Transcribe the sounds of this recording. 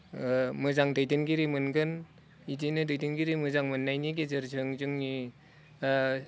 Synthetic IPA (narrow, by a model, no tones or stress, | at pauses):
mɯzaŋdɯjdɯnɡiɾimɯnɡɯn | idinɯdɯjdinɡiɾimɯzaŋmɯnːajniɡezɯɾzɯŋzɯŋni